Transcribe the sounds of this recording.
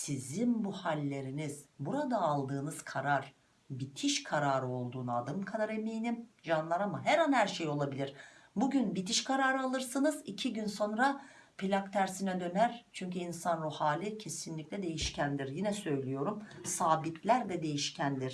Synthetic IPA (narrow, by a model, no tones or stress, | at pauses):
sizinbuhalʲːe̞ɾiniz̥buɾad̪aːlˠd̪ɯːnɯz̥kʰaɾaɾ̥ | bit̪ʰiʃkʰaɾaːɾɯo̞lˠd̪uːnɯad̪ɯmkʰad̪aɾe̞mejnimʒanlˠaɾamaɦæɾhanhæɾʃejo̞lˠabilʲiɾ̥buɟynbit̪iʃkʰaɾaːɾɯalˠɯɾsɯnɯzicʰiɟynso̞nɾa | pʰilʲakt̪ʰæɾsinɛd̪ø̞næɾt͡ʃʰyɲcyinsanɾuhaːlʲicʰe̞sinlʲic̚lʲɛd̪e̞jiʃcʰænd̪iɾjinɛsø̞jlʲijo̞ɾumsaːbit̪ʰlʲæɾd̪ɛd̪e̞jiʃcʰænd̪iɾ̥